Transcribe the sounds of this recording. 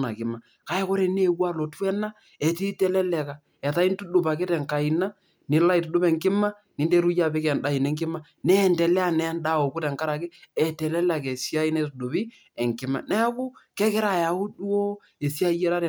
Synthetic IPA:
na̰˨kɪ˨ma˨ | ka˨ɛ˦ko˦ɾe˨ne˦wa˦lo˨twɛ˦na˦ | ɛ˨ti˦tɛ˦lɛ˦lɛ˨ka˨ | ɛ˨ta˨˦i˦n˦tu˦do˨pa˨ke˦tɛ˨ŋka˨i˨na˦ | nɪ˨˦la˦i˨tʊ˨do˦bɛ˨ŋkɪ˦ma˦ | ni˨˦nde˦ɾu˦ja˦˨pe˦kɛ˨nda˦i˨nɛ˦ŋkɪ˦ma˦ | nɛ˦˨ndɛ˨lɛ˦a˨nɛ˨˦nda˦˨o˨kʊ˦tɛ˨ŋka˦ɾa˨ke˦ɛ˨tɛ˨lɛ˦la˨kɛ˨sja˦i˦nɛ˦tu˨do˨bi˦ | ɛ˨ŋkɪ˨ma̰˨nɛ˦kʊ˦kɛ˦kɛ˦ɾa˨ja˨u˦du˦o˦ | e˨si˦a˦jɛ˦ɾa˦tɛ˨

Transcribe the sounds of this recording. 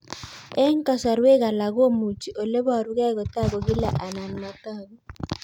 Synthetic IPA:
ɛ˦ŋ˦kʼa˦sa˨ɾwɛ˦ɣa˨la˨ɣo˦mu˨tʰi˨ʔɔ˨lɛ˦βa˨ɾu˦ɣɛ˦˨ɣɔ˨ta˦βɔ˨ɣi˦la˨ʔa˨na˨n˨ma˨taː˦˨βɔ˦˨

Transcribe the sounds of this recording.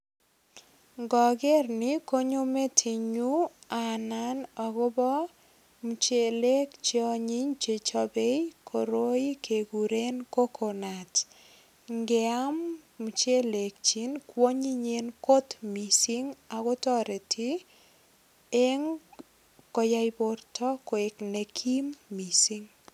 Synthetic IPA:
ŋɡɔ˨ɡɛ˦rnɪ˦ko˦ɲo˦me˦tʰi˨ɲu˦a˨na˦nɔ˨ɡʊ˦bɔ˦ | mu˨t͡ʃe˨le˦kt͡ʃiɔ˦˧ɲi˦ɲt͡ʃe˨t͡ʃɔ˦be˦jkʰo˨ɾo˦i˦kʰe˨ɡu˨ɾe˦nko˦kʰo˨na˨t | ŋɡɛa˦mːu˨t͡ʃe˦le˨k̚t͡ʃi˦nkwo˦ɲi˦ɲenko˦tmisiŋa˨kɔ˦tɔ˦ɾe˨tʰi˦ | e˦ŋ | kɔ˨ja˦jbortɔ˦ko˨e˨kne˨kʰi˦mːi˨siŋ

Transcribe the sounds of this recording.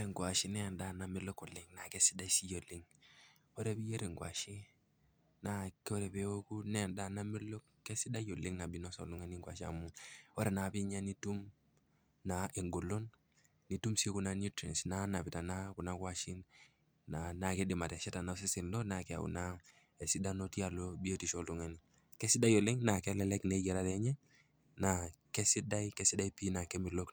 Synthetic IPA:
ɔ˦ɾe˨ŋɡwa˨ʃi˦nɛ˦a˨nda˦˨na˨mɪ˦lo˦ko˨lɪ˦ŋna˨ke˦si̥˦da˦si˦jo˨lɪ˦ŋ | ɔ˦ɾe˦bi˦je˦ɾi˨ŋɡwa̰˨ʃi˦ | na˨˦kɔ˦ɾe˨pe˦o˦ku˦nɛ˦˨nda˦na˦mɪ˦lo˦kː | ɛ˦si˦da˦jo˨lɪ˦ŋna˨bi˦nɔ˦sɔ̰˨lu˦ŋɛ˦ni˦ŋɡwa̰˨ʃa̰˨mu˦ɔ˦ɾɛ˨na˨pi˦ɲa˦ni˦tu˦m | na˨ʔi˨ŋɡo˨lo˦nː | i˨tu˦msi˦ku˨na˦nju˦tɾɛ˨nsna˦na˨pi˨ta˨na˦ku˨na˦kwa˦ʃi˦n | na˨na˨ke˦dɪ˨ma˨tɛ˨ʃɛ˦ta˨na˨˦s̬i˦si˨nlɔ˦na˨kɛ˨a̰˨ṵ˨na˦ | e˨si˦da˦no˦ti˦a˨lo˦bi˦e˦ti˨ʃo˦lu˨ŋe˨ni˦ | kɛ˦si˦da˦jo˨lɪ˦ŋna˨kɛ˦lɛ˦lɛ˦kne˨˦ɡɛ˨ɾa˦tɛ˦ɲɛ˦ | na˨kɛ˦si˦da˦ikɛ˦si˦da˦i˦pi˦na˨kɛ˦mi˨lo˦k

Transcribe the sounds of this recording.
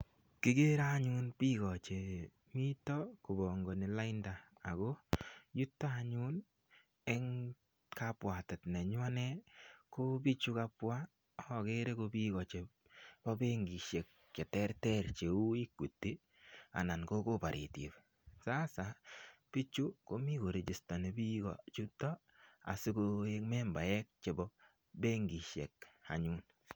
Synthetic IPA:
kɪ˦ɡe˦ɾa˦ɲu˦npi˦kɔ˨t͡ʃe˨ | mi˦tɔ˦kʊ˨bɔ˨ŋɡɔ˨ni˨la˦ɪndaː˨ | ɡo˦ju˦tːa˦a˨ɲu˦n | ɛ˦ŋ | ka˦pwa˨tɛ˨tnɛ˨ɲwa˦nɛ˦ko˦pi˦t͡ʃu˦ka˦pwa˦˨ | ke˦ɾe˦ko˧bi˦kɔ˨t͡ʃe˨ | b̥ɔ˦be˦ŋɡi˨ʃe˨k̚ | t͡ʃe˨tɛ˦ɾtɛ˦ɾt͡ʃe˨u˦i˦kːu˨tːi˦ | a̰˨na˨nko˦ko˦pa˨ɾʔḭ˨ti˨p | sa˦sa˨pi˦t͡ʃu˦ko˦mi˦ko˨ɾe˨d͡ʒi˨stɔ˨ne˨bi˦ɡɔ̰˨t͡ʃu˦tɔ˦ | a̰˨sɪ˦ko˧e˦kmɛ˦mba˨jɛ˦k̚t͡ʃe˨bɔ˦ | be˦ŋɡi˨ʃe˨k̚a̰˨ɲu˦n

